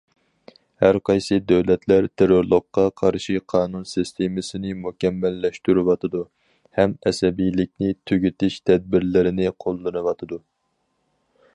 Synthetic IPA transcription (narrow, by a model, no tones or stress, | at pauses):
hæɾqʰɑjsɨd̪ɛwlɛt̪ʰlæɾt̪ʰeɾoɾlˠʊqːɑqʰɑɾʃiqʰɑːnunsɨst̪ʰemɨsɪnɪmukʲɛmːɛlːɛʃt̪yɾywɑt̪ʰɨd̪u | hɛmɛsɛbijlɪkʲnɪt̪ʰøɡʲyt̪ɪʃt̪ʰɛd̪̚bɪɾlɪɾɪnɪqʰolˠːɨnɨwɑt̪ʰɨd̪u